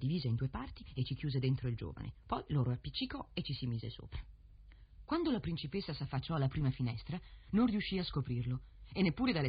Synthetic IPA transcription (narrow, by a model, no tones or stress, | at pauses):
d̪iviːzaind̪uːepart̪iet͡ʃikjuːzed̪ent̪ɾoild͡ʒo̰ːva̰nʔḛpɔjloːɾoapːit͡ʃːikɔet͡ʃːisimiːzḛso̰ːpɾḁ | kwand̪olapɾint͡ʃipesːasafːat͡ʃːɔalːapɾiːmafinɛst̪ɾanonriuʃːiaskopɾirlo | enːepːuːɾed̪alːe